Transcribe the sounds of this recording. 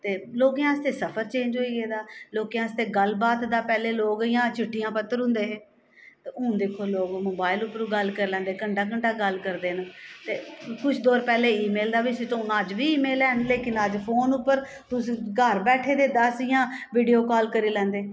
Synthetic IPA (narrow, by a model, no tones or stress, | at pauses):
t̪eːloːkejãːəst̪eːsəpʰəɾt͡ʃẽːɲd͡ʒɦoːiːɡeːd̪aːloːkejãːəst̪eːɡəlbaːt̪d̪aːpɛːleːloːɡɪjãːt͡ʃʰɪʈʰːijãːpət̪ːəɾɦʊ̃nd̪eːɦeː | t̪eʊ̃ːd̪eːkʰːoːloːɡmoːbaːɪlʊpːəɾuːɡəlkəɾelɛ̃ːnd̪eːkəɳɖaːkəɳɖaːɡəlkəɾd̪eːnt̪eːkʊt͡ʃʰd̪oːɾpɛːleːiːmeːld̪aːʋisit̪õːnaːd͡ʒʋiːiːmeːlɛːnleːkɪnəd͡ʒpʰoːnʊpːəɾ | t̪ʊsĩːɡəɾbɛːʈʰeːd̪eːd̪əsijãːʋiːɖijoːkɔːlkəɾiːlɛ̃ːnd̪eː